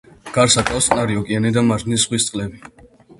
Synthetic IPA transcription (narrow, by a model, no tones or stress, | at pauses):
ɡ̥aɾsakʼafsqʼnaɾiɔkʼianid̪amaɾʒnisχwist̪sʼqʼlɛbi